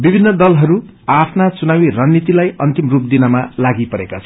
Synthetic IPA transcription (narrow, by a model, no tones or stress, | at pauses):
bibʱinːʌd̪ʌlɦʌɾu | apʰnat͡sunawiranːit̪ilajʌnt̪imrup̚d̪inʌmalaɡipʌɾekat͡sʰʌ̥